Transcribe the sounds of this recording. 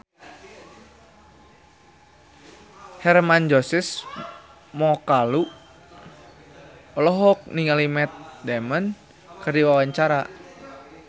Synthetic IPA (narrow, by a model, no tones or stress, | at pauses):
hɛrmand͡ʒɔsis | mɔkalu | ɔlɔɦɔk̚niŋalimɛt̪̚dɛmən | kɨrdiwawaɲt͡ʃaɾa